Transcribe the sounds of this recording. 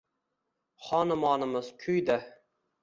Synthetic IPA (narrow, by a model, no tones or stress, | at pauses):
χɒnɪmɒnɪmɪzkʲʰʊjd̪a